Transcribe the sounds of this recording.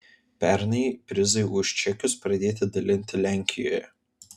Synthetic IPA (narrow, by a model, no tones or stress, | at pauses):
pʲɛˑɾnɐɪpʲɾʲɪzɐɪʊʃʲt͡ʃʲɛkʲʊspɾɐd̪ʲeːt̪ʲɪd̪ɐlʲɪnʲt̪ʲɪlʲæˑŋʲkʲɪjo̰ːjɛ